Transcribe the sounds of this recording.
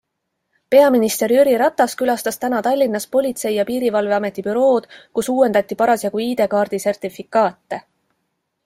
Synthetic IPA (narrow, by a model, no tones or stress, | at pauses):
pe̞ɑminist̪e̞ɾjyɾiɾɑt̪ːˑɑskylɑst̪ɑst̪ænɑt̪ɑlʲːinːɑspo̞lʲit̪se̞jjɑpiːɾivɑlve̞ɑme̞t̪ːˑipyɾo̞ːd̪̥kusuːwe̞nd̪ɑt̪ʲːˑipɑɾɑsjɑɡuiːd̪e̞kɑːrd̪̥ise̞rt̪ifikˑɑːt̪ːe̞